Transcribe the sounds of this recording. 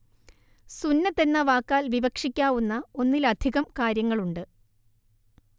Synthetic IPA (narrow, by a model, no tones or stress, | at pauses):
sunːɐt̪ːenːɐʋaːkːaːlʋibɐkʂikʲːaːʋunːɐo̞nːilɐd̪ʱiɣɐmkaːɾjɐŋːɐɭuɳɖɨ